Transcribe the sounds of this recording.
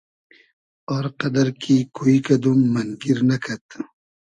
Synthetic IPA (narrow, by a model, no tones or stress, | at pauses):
ɔːɾqɐd̪ɐɾkʰikoikɐd̪umːɐnɡiɾnɐkʰɐt̪